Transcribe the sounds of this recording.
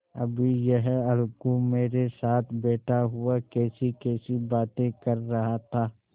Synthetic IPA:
ɐ̰bʱijɛɦɐlkomeːɾesaːt̪ʰbɛːʈʰaɦʊakɛːsikɛːsibaːt̪ẽkɐɾːɐɦat̪ʰaː

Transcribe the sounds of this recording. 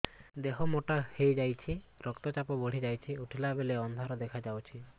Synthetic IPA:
d̪eɦɔmoʈahejd͡ʒajt͡ʃʰiɾɔkt̪ɔt͡ʃapɔboɽ̤id͡ʒajt͡ʃʰiuʈʰilabeleɔnd̪ʱaɾɔd̪ekʰad͡ʒawt͡ʃʰi

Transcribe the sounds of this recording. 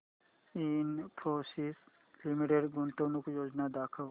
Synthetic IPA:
inpʰɾoːses | limiʈeɖɡʊnt̪ənõkojoːd͡ʒnad̪aːkʰəl

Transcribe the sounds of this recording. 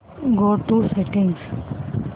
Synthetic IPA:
ɡoːt̪uːseʈɪ̃ŋɡs

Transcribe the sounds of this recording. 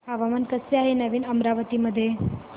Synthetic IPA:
aʋamənkəseaɦenəʋiːnəmɾaʋət̪iːməd̪ʱːje

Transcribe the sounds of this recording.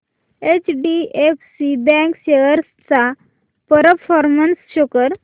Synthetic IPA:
et͡ɕɖiefsibɛ̃ŋkɕeəɾst͡sa | pəɾəfʰɔɾmənsɕokəɾ

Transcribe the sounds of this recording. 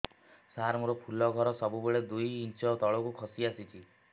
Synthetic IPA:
saɾmuɾɔpʰulɔɡʱɔɾɔsɔbubeɭed̪ujint͡ʃɔt̪ɔɭɔkukʰɔsiasit͡ʃʰi

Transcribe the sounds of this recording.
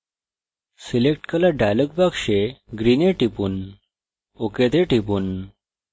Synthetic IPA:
silek̚ʈkəlaɖajləɡ̚bakʂeɡɾineʈipuːn | oket̪eʈip̬uːn

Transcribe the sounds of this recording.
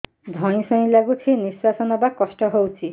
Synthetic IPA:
d̪ʱɔɽ̃isɔj̃laɡut̪ʰiniswasɔnɔbakɔsʈɔɦowt͡ʃʰi

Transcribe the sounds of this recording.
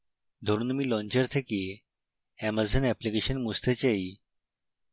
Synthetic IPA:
d̪ʱoɾuːnmiːlɔ̃ɲt͡ɕəɾt̪ʰeki | æməzənɛplikeɕənmust̪ʰet͡ɕai

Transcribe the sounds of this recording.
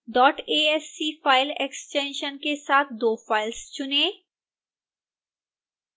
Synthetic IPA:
ɖɔːʈeːesːifaːɪleksʈẽːnʃənkesaːt̪̚ʰd̪oːfaːɪlst͡ʃʊnẽː

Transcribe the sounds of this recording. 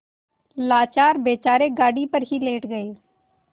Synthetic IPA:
laːt͡ʃaːɾbeːt͡ʃaːɾeːɡaːɽiːpəɾɦileːʈɡəeː

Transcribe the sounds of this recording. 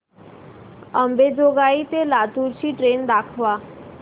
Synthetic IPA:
əmbed͡ʒoɡaːit̪elaːt̪uːɾʃiʈɾeːnd̪aːkʰʋa

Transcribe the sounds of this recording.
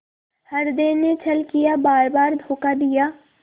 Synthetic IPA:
hɐɾd̪eːnet͡ʃʰɐlkijabaːɾbaːɾd̪ʱoːkad̪ijaː

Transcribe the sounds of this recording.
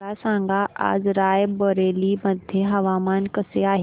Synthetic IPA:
asãːŋɡaʔa̰ːd͡zɾaːjbəɾeːliməd̪ʱjeɦɐʋaːmaːnkəseaːɦ

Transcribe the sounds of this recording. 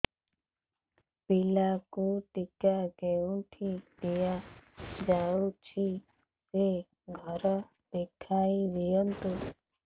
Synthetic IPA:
pilakuːʈɪkaːɡeũʈʰid̪ijaːd͡ʒaːut͡ʃʰi | se | ɡʱəɾ | d̪̥ekʰaːiʋijənt̪u

